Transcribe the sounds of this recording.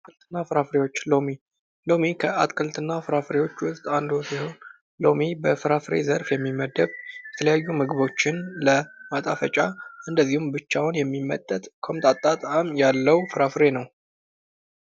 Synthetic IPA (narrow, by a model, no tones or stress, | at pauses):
kʰɨlt̪ʰɨnːafɨɾafɾe̞wo̞t͡ʃːlomi | lo̞mikʰəʔa̰t̪kʰɨlt̪ɨnːafɨɾafɨɾe̞wo̞t͡ʃːwʊst̪ʼand̪osiho̞n | lo̞mibəfɨɾafɨɾe̞̰zəɾfjɛmːimːəd̪əβjɛt̪ʰələjajːumɨɡβo̞t͡ʃːɪnləmat̪ʼafət͡ʃʼaʔɨnd̪əzːihumbɨt͡ʃːawʊnjɛmːimːə̰t̪ʼːət̪ʼkʰomt̪ʼat̪ʼːat̪ʼamjalːəwfɨɾafɾe̞nəw